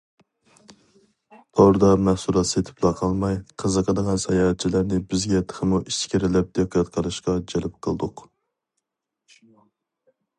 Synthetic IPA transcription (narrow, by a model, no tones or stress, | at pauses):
t̪ʰɑwɾɨd̪ɑmɛhsuɾˠɑt̪set̪ʰɪ̥plˠɑqʰɑlˠmɑjqʰəzəqʰəd̪əʁɑnsɛjɑːt̪t͡ʃʰilæɾnɪbɪzɡʲɛt̪ʰə̥χʰəmuʔiʃt͡ʃkʲiɾɪlɪp̚d̪eqʰːɑt̪qʰəlˠɨʃqɑd͡ʒɛlɪp̚qʰəlˠɨd̪ʊq